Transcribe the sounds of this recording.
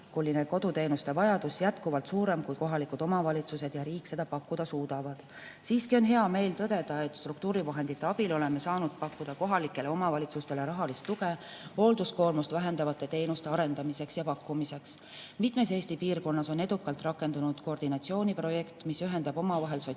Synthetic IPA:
kulːineko̞d̪ut̪e̞ːnust̪e̞vɑjɑd̪̥usjæt̪kuvɑlt̪suːɾe̞mkujko̞ɦɑlikud̪̥o̞mɑvɑlʲit̪suse̞d̪jɑɾiːkːse̞d̪̥ɑpɑkːud̪̥ɑsuːd̪̥ɑvɑd̪̥ | siːskio̞nɦe̞ɑme̞ːlt̪ɤd̪̥e̞d̪̥ɑe̞t̪ːˑst̪rukt̪uːɾivɑɦe̞nd̪̥it̪ːˑe̞ɑb̥ilo̞le̞me̞sɑːnud̪̥̚pɑkːud̪̥ɑko̞ɦɑlikːˑe̞le̞omɑvɑlʲit̪sust̪e̞leɾɑɦɑlist̪ːuɡeho̞ːld̪usko̞ːrmust̪væɦe̞nd̪ɑvɑt̪ːˑe̞t̪e̞ːnust̪e̞ɑɾe̞nd̪ɑmise̞ksjɑpɑkːumise̞ks | mit̪me̞s̬e̞ːst̪ipiːrko̞nːɑso̞ne̞d̪ukːˑɑlt̪ˑrɑkːˑe̞nd̪unud̪̥ko̞ːrd̪̥inɑt̪sio̞ːnʲipro̞je̞kt̪misyɦe̞nd̪̥ɑbo̞mɑvɑɦe̞lso

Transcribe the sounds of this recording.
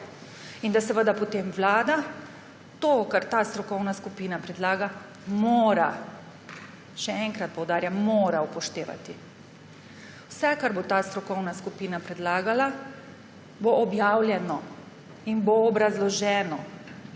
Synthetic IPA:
ind̪asəʋəd̪apɔt̪eːmʋlaːd̪a | t̪okaɾt̪ast̪ɾɔkɔwnaskupiːnapɾɛd̪laːɡa | moːɾa | ʃɛɛŋkɾat̪̚pɔwd̪aːɾjammoːɾaupɔʃt̪eːʋa̰t̪i | wsɛkaɾbot̪aːst̪ɾɔkɔwnaskupiːnapɾɛd̪laːɡala | boʔɔbjaːwlʲjɛnɔ | inboːbɾazlɔʒɛːnɔ

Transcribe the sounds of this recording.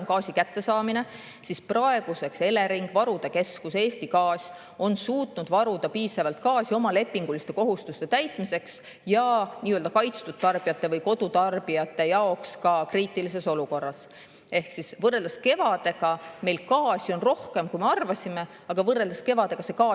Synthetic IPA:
onkɑːsʲikæt̪ːe̞sɑːmine̞ | sisprɑe̞ɡ̥use̞kse̞le̞ɾiŋɡ̥vɑɾud̪̥e̞ke̞skuse̞ːsʲt̪ikɑːsʲ | o̞nsuːt̪nud̪̥vɑɾud̪̥ɑpiːsɑvɑlt̪̚kɑːsʲio̞mɑle̞pˑːiŋɡ̥ulist̪e̞ko̞ɦust̪ust̪e̞t̪æjt̪ˑmise̞ks | jɑniːøld̪ɑkɑjt̪st̪ut̪ːɑrb̥iɑt̪ːe̞vɤjko̞d̪̥ut̪ɑrb̥ijɑt̪ːˑe̞jɑo̞kskɑkriːt̪ːˑilise̞so̞luko̞rːɑs | e̞hksisvɤreld̪ɑske̞vɑd̪̥e̞ɡɑme̞jlkɑːsʲjo̞nro̞hke̞mkujme̞ɑrvɑsʲime̞ | ɑɡ̥ɑvɤrːe̞ld̪̥ɑske̞vɑd̪e̞ɡ̥ɑse̞kɑː

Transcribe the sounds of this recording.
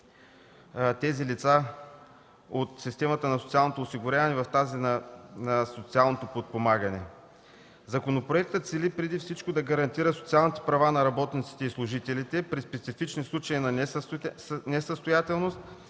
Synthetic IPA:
t̪ɛzilit̪sa | ot̪sist̪ɛmət̪ənɐso̥t̪ialˠnot̪oːsiɡʊɾʲavɐnɛvɐft̪azinnəsot̪sialˠnot̪opot̪̚pomaɡɐnɛ | zɐkonopɾoɛk̚t̪ət̪silipɾɛd̪ifsit͡ʃkod̪ɐɡɐɾɐnt̪iɾəso̥t̪sialˠnit̪ɛ̥pɾɐvanɐɾɐbɔt̪nit̪si̥t̪ɛislˠʊʒit̪ɛlit̪ɛpɾispɛt̪sifit͡ʃnislˠut͡ʃəinɐ | nɛsəst̪ojat̪ɛlˠnost̪̚

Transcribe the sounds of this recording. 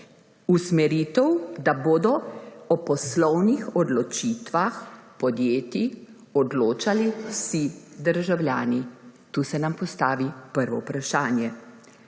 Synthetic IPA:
usmɛɾiːt̪ɛwd̪aboːd̪ɔɔpɔslɔwnixɔd̪lɔt͡ʃit̪ʋaxpɔd̪jeːt̪i | ɔd̪loːt͡ʃaliwsid̪əɾʒawljaːnit̪uːsɛnampɔst̪aːʋipəɾʋɔwpɾaʃaːnjɛ

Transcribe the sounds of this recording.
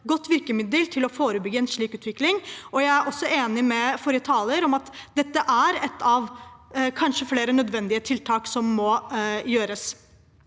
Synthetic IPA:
ɡɔt̪ːʋɪɾkəmɪd̪əlt̪ʰɪlɔfoːɾəbʏɡːəɛnʂɭiːkʉːt̪ʋɪklɪŋɔjæɪæɾʔɔsːɔeːnɪmɛfɔːɾjət̪ʰɑːləɾɔmɑt̪d̪ɛt̪ːəʔæɾɛt̪ʰːɑʋkʰɑnʂəfleːɾənœd̪ʋɛnd̪ɪət̪ʰɪlt̪ʰɑːksɔmːɔjøːɾəs

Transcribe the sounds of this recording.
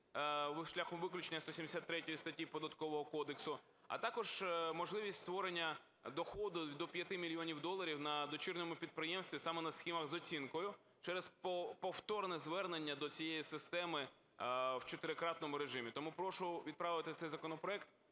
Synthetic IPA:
ʋʃlʲaxɔmʋɪklʲʊt͡ʃenʲːɐsɔsʲimd̪esʲat̪ːɾɛtʲɔjist̪ɐtʲjipɔd̪ɐt̪kɔʋɔɦɔkɔd̪eksʊ | ɐ̰t̪ɑkɔʒ̥mɔʒlˠɪʋʲisʲtʲst̪ʋɔɾenʲːɐ | d̪ɔxɔd̪ʊd̪ɔpʲjɐt̪ɪmʲilʲiɔnʲiwd̪ɔlˠːɐɾʲiwnɐd̪ɔt͡ʃɪrnɔmʊpʲid̪̚pɾɪjɛmst̪ʋʲisɑmɛnɐsxʲimɐɣzɔt͡sʲinkɔjʊ | t͡ʃɛɾɛzpɔpɔwt̪ɔrnɛzʋɛrnenʲːɐd̪ɔt͡sʲijejisɪst̪ɛmɪ | wt͡ʃɔt̪ɪɾɪkɾɑt̪nɔmʊɾeʒɪmʲit̪ɔmupɾɔʃʊʋʲid̪̚pɾɑʋɪt̪ɪt̪sɛjzɐkɔnɔpɾɔɛkt̪

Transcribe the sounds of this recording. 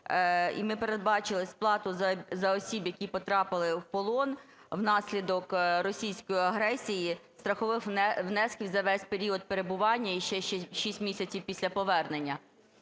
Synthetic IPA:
ḭmɪpeɾe̞d̪̚bɑt͡ʃɪlˠɪsʲplˠɑt̪ʊzɐzɐɔsʲibjɐkʲipɔt̪ɾɑpɪlˠɪwpɔlˠɔn | wnɑsʲlʲid̪ɔkrɔsʲijsʲkɔjiɐɦɾɛsʲijist̪ɾɐxɔʋɪxɛwnɛskʲiwʲzɐʋɛsʲpeɾʲiɔd̪̚peɾebʊʋɑnʲːɐiʃɛʃt͡ʃɛʃisʲtʲmʲisʲɐt͡sʲiwpʲisʲlʲɐpɔʋɛrnenʲːɐ

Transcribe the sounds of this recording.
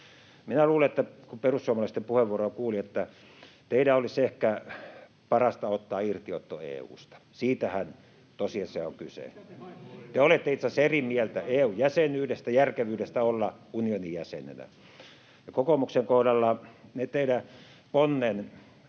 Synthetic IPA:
minæluːleet̪ːækumperusːuoɑmɑlɑist̪empuheʋʋuorokuːliet̪ːæ | t̪eidæolisehkæ | pɑrɑst̪ɑot̪ːɑːirt̪io̰t̪ːo̰ḛːṵːst̪ɑ̥siːt̪æhæn | t̪osiɑseoŋkysḛ | t̪eolet̪ːeit̪sɑserimielt̪æeːuːjjæsenyːɾest̪æjærkeʋyːɾest̪æolːɑ | unionijæsḛnḛnæ̰ | jɑkokomukseŋkohdɑlːɑnet̪eidæ | ponːen

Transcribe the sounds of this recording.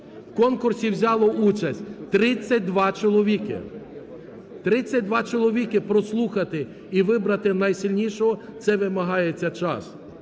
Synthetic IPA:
wkɔnkʊrsʲiwzʲɑlˠɔʔut͡ʃɐsʲtʲt̪ɾɪt͡sʲːɐt̚ʲd̪ʋɑt͡ʃɔlˠɔʋʲikɪ̰ | t̪ɾɪt͡sʲːɐt̚ʲd̪ʋɑt͡ʃɔlˠɔʋʲikɪpɾɔslˠuxɐt̪ɪ | iʋɪbɾɐt̪ɪnɐjsʲilʲnʲiʃɔɦɔt̪sɛʋɪmɐɦɑjet͡sʲːɐt͡ʃɑ̰s

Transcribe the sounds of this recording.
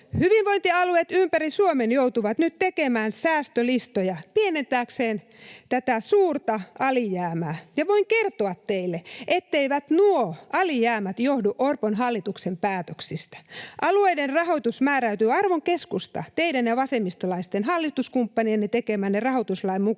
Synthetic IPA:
hyʋiʋʋoint̪iɑluet̪ympærisuomenjout̪uʋɑt̪nyt̪t̪ekemæːnsæːst̪ølist̪ojɑpienent̪æːkseːn | t̪æt̪æsuːrt̪ɑʔɑlijæːmæːjɑʋoiŋkert̪oɑt̪teilːeʔet̪ːeiʋæt̪nuoʔɑlijæːmæt̪johduʔorponɦɑlːit̪uksempæːt̪øksist̪æ̥ʔɑlueiderrɑhot̪usmæːɾæyt̪yːɑrʋoŋkeskust̪ɑ̰t̪eidænjɑʋɑsemːist̪olɑist̪enhɑlːit̪uskumpːɑnienːet̪ekemæːnːerɑhot̪uslɑimmu

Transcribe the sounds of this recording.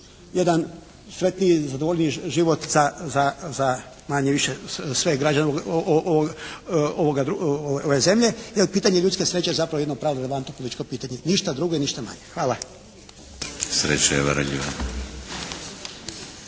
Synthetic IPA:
jed̪an | sɾe̞t̪niizad̪ooʎniiʒiʋot̪zazaza | maɲeʋiʃesʋeɡɾad͡ʑaneoɡo | ooɡad̪ɾuooʋeze̞mʎe̞jelpiːt̪aɲeʎut̪ske̞sɾe̞ːt͡ɕeezapɾaʋoed̪nopɾaːʋoɾeleʋant̪no̞polit̪i̥t͡ʃkopiːt̪aɲe̞niʃt̪ad̪ɾuɡoiniʃt̪ama̰ɲexʋaːla | sɾḛt͡ɕajeʋə̰ɾ̰ʎḭʋa

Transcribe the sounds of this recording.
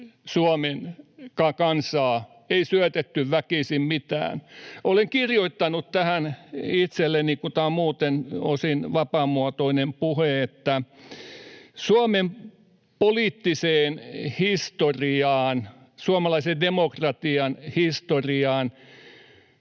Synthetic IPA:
suɑmenkɑkɑnsɑː | eisyæt̪et̪ːyʋʋækisimmit̪æ̰ːnoleŋkirjoit̪ːɑnutt̪æhænit̪selːenikut̪ɑːmuːt̪enosinʋɑpɑˑmuɑt̪oinempuheet̪ːæ | suɑmem | poliːt̪ːiseːnhist̪oriɑːn | suɑmɑlɑisendemokrɑt̪iɑnhist̪oriɑːn

